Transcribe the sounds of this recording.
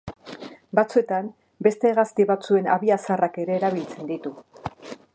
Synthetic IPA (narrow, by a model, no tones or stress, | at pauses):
bat͡sue̞t̪am | be̞st̪e̞ːɣastiβat͡sue̞na̰βiasarake̞ɾe̞ːɾaβ̞ilt͡se̞nd̪it̪u